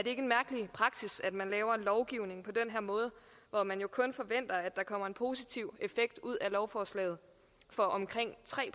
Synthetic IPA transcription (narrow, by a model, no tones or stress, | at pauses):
æɐdɾe̝e̝ɡ̥enmæɐɡ̥əlipʰʁɑ̈ɡ̥sisæd̥mænlɛːʊɐe̝nlɒʊɡ̥iʊ̰ne̝ŋpʰɒ̽d̥enɦeɐ̰mɔ̽ːð̞ˠə | ʋɒmænjo̝kʰɔ̽nfɒ̽ʋen̰d̥ɐæd̥ɑ̈kʰɒ̽m̰ɐe̝npʰo̝ːsit͡sʰiʊ̰e̝feɡ̥̚d̥uð̞̰ˠælɒʊfɒːslɛ̰ːɪð̩ˠ | fɒ̽ʔɒ̽mkʰʁeŋ̰t͡sʰʁɛ̰ː